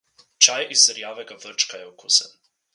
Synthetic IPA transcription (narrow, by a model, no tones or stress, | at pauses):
t͡ʃajʔisːəɾjaːvɛɡavəɾt͡ʃkajɛwkusə̰n